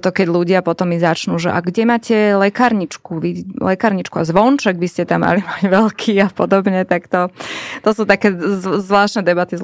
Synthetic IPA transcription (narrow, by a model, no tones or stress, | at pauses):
t̪ɔkɛɟluɟɪapɔt̪ɔmizat͡ʃnuːʒɛ̰ʔa̰ɡɟɛmaːcɛlɛkaːɾɲit͡ʃkuʋilɛkaːɾɲit͡ʃkuazʋɔnt͡ʃɛɡʋiscɛt̪amːa̰limaɟʋɛlkʰiːapɔd̪ɔbɲɛt̪akt̪ɔt̪ɔsuːt̪akɛːzʋlaːʃt̪nɛd̪ɛbat̪iz